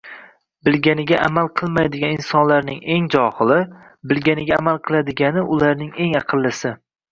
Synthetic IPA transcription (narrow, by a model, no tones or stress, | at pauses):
bɪlɡʲanɪɡʲaʔamalˠqʰɨlˠmajd̪ɪɡʲaninsɒnlaɾnɪŋe̞ŋd͡ʒɒχɨlˠɪ | bɪlɡʲanɪɡʲaːmalˠqʰɨlˠad̪ɪɡʲanɪʔʊlaɾnɪŋe̞ŋɑqʰɨlˠːɪsɪ